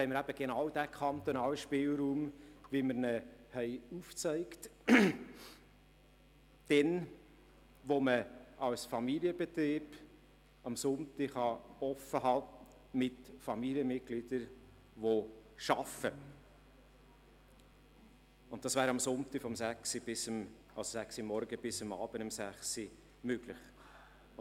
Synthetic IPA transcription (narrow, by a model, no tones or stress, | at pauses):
hɛɪməɾæb̥əɡ̥enɑwd̥ækʰɑnt̪onɑːlʃpɪːlɾuːmʋiməɾnəhɛɪuft͡sɛɪkt | d̥ɛn | ʋoməʔɑlsfɑmiliəbɛt̪ɾiːb | ɑmsʊnt̪ɪhɑɔfəɦɑ | mɪtfɑmiliəmɪt̚ɡ̥lid̥əɾ | ʋoʃɑfə | ʊnt̚d̥ɑsvæːɾɑmsʊntifɔmsæksib̥ɪsmʔɑlsosæksimɔɾɡəb̥ɪsəmɑ̰ːb̥ənʊmsæχsi | møɡ̥lɪχ